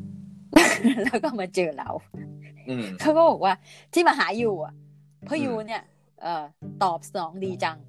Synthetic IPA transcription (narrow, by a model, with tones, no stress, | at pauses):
lɛː˦˥wkɔː˥˩maː˧t͡ɕɤː˧la̰˨˩˦w | kʰa˦˥wkɔː˥˩bɔː˨˩k̚waː˥˩t̪ʰiː˥˩maː˧ɦaː˩˦juː˨˩a˨˩ | pʰɔ˦˥juː˧ni˥˩ɐ | ʔɤː˨˩t̪ɔː˨˩p̚sa˧nɔː˩˦ŋdiː˧t͡ɕa˧ŋ